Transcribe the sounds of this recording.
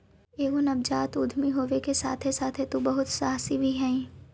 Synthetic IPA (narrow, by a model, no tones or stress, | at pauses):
eːɡonɐb̚d͡ʒaːt̪ʊd̪ʱmiɦoːʋekesa̰ːt̪ʰesaːt̪ʰet̪obɐɦʊt̪saːsibʱiɦɛ̃ĩ